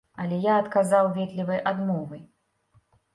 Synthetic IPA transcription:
ɐlʲɛjaɐt̪kazawvʲɛt̪lʲivɐjʔad̪mɔvɨj

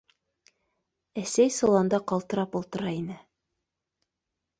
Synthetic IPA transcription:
æsæjsŏlˠɑnd̪ɑqɑlˠt̪ɤ̆ɾɑpulˠt̪ɤ̆ɾɑinɘ

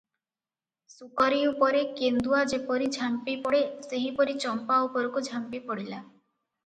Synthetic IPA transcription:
sukɔɾiupɔɾekend̪uad͡ʒepɔɾid͡ʒʱampipɔɽeseɦipɔɾit͡ʃɔmpaupɔɾɔkud͡ʒʱampipɔɽila

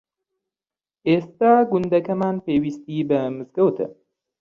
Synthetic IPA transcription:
ʔest̪aːɡʊnd̪ɐkɐmaːnpeːwiːst̪iːbɐmɨzɡɐwt̪ʰɨ̰

